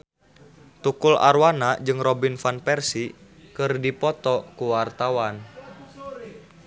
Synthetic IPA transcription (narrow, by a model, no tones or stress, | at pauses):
t̪ukula̰rwanad͡ʒɨŋrɔbinfanpɛrsikɨrdipɔt̪ɔkuwart̪awan